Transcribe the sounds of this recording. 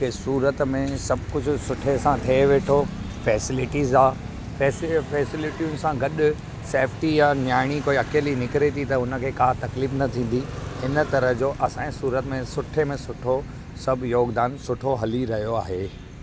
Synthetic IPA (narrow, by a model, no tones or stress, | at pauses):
kesuːɾət̪mẽsɐbʱkʊd͡ʑʱʊ̆sʊʈʰesãt̪ʰieʋeːʈʰo | fɛːsɪlɪʈiːzaː | fɛːsfɛːsɪlɪʈijʊnɪ̆sãɡɐɗʊ | seːfʈijaːnjaːɪɽ̃ikoːiɐkeːlinɪkɪɾet̪ʰit̪ɐʊnə̆kʰeːkaːt̪ɐkliːfnɐt̪ʰĩːn̆d̪ihɪnə̆t̪ɐɾəɦd͡ʑoːʔɐsãːẽsuːɾət̪mẽsʊʈʰemẽsʊʈʰo | sɐbʱjoːɡd̪aːnsʊʈʰoɦɐliɾɐɦijoaːɦeː